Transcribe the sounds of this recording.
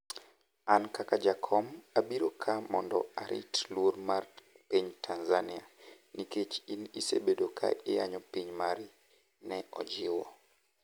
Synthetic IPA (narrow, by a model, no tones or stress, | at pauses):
ankakad͡ʒakʰɔmabiɾokʰamɔndɔ̰aɾḭtlwoɾmarpiɲtʰanzania | niket͡ʃinisḛbedokʰa̰ʔɪja̰ɲɔpiɲmaɾi | nɛʔɔ̰d͡ʒɪwɔ